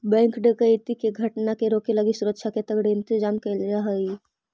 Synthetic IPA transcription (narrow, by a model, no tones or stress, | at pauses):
bɛ̃ːŋkɖəkəɪt̪ikeɡʱɐʈnakeɾoːkeləɡisuɾəkʃʰaket̪ɐɡɽeɪ̃nt̪ɪd͡ʒaːmkəlaɦəi